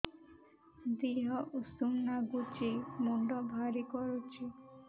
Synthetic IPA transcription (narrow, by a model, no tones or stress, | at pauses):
d̪iɦɔʔusumnaɡut͡ʃimɔɳɖɔbʱaɾikɔɾut͡ʃʰi